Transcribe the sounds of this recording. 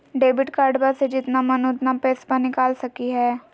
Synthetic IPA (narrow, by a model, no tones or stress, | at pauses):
ɖeːbɪʈkaːɾɖbased͡ʒɪt̪namɐnod̪napeːspənɪkaːlsɐkiɦɛː